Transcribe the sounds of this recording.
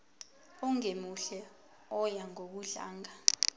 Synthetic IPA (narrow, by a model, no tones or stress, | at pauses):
ɔŋemuɬɛ | ɔjaŋok̬uɮa̰ːŋa